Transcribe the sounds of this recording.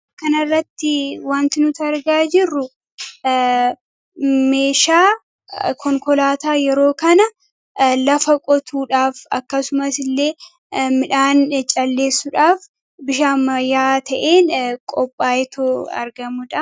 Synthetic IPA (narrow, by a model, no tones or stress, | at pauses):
kɐnɐrːɐt̪ːɪwaːnt̪ɪnʊt̪ɐɾɡaːd͡ʒɪrːʊ | me̞ːʃaː | kʰɔŋkɔlaːt̪aːjɛɾo̞ːkɐnɐ | lɐfɐkʼɔt̪ʰuːᶑaːfɐkːɐsʊmɐsɪlːeː | mɪᶑaːnt͡ʃʼɐlːe̞ːsːʊᶑaːf | bɪʃaːmɐjaːt̪ɐʔe̞ːnkʼɔpʼːaːjɛt̪ʰoɐ̰ɾɡɐmʊᶑɐ